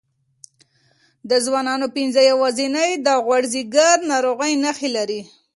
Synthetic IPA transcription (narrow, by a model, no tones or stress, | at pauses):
d̪əzwɑnɑnopɪnzəjawɑzinəjd̪ɑɣwaɽziɡaɾnɑɾoɣəjnaxelaɾi